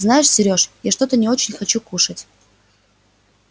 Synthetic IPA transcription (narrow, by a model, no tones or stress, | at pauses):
znajɪʂsʲɪɾʲo̞ʂjaʂt̪o̞t̪ənʲɪo̞t͡ɕɪnʲxɐt͡ɕukuʂətʲ